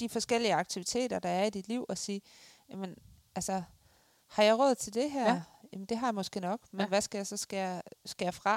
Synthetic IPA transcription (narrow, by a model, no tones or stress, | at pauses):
d̥ifɒ̽sɡ̥el̰iəɑ̈ɡ̥̚t͡sʰiʋit͡sʰe̝̰ːd̥ɐd̥ɑ̈æɐid̥id̥liʊ̰ɒ̽siː | jæmen | ælsə | hɑ̈jɑ̈ɪʁɔ̽ð̞̰ˠt͡sʰe̝ld̥e̝ɦæɐ̰jæmnd̥e̝ɦɑ̈jɑmɒ̽sɡ̥e̝̰ːnɒ̽ɡ̥menʋæsɡ̥æjɑ̈ɪsɒ̽sɡ̥æsɡ̥æfʁɑ̈